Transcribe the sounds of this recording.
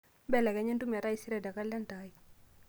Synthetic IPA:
bɛ˦˨lɛ˨kɛ˨˦ɲe˦ndu˦ma˨ɾa˦i˦si˦ɾɛ˨da˨ka˦lːa˦ntai˨

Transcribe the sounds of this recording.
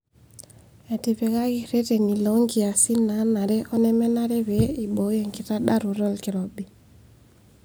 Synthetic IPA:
e˨ti˨pɛ˨ɣa˦ɣi˦ɾe˦te˨ni˨lɔ˨˦ŋɡi˨a˨si˦na˨˦na˨ɾɛ˦ʔɔ˦nɛ˦mɛ˦na˦ɾe˦βe˦i˨ɓo˨˦je˨ŋki˨ta˦ɗa˦ɾu˨ɾɔ˦lki˨ɾɔ˨bi˨

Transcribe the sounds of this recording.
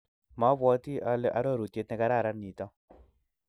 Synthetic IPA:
ma˨˦bwɔ˦t̪i˦a˨la̰˦ɾɔ˦˨ɾu˨tje˦t̪nɛ˦ka˦ɾa˦˨ɾa˦ni˨t̪ɔ˦

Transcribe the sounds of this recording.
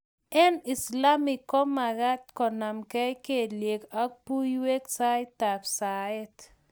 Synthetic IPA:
ɛ˦ni˨sla˦mi˨kːɔ˦ma˨ɡa˦t̪kɔ˨na˨mkɛ˦ke˦˨lje˨ka˦k̚pu˦jwe˦ksa˦ɪ˦ta˨ksaɪ˦t

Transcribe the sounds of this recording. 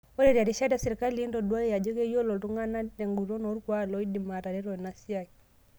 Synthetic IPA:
ɔ˦ɾɛ˨ɾi˨a˨ɾi˨ʃa˦da˨sɛ˨ɾika˦li˨i˦ndɔ˨dwa˦ja˨d͡ʒɔ˦kɛ˦jɔ˦lɔ˨tu˦ŋɡa˦na˦dɛ˨ŋɡu˨ɾɔ˦nɔ˨˦ɾkwa˦˨lɔ˦i˦di˨ma˨ɾa˨ɾɛ˦ɾɔ˨na˨si˦a˨ki

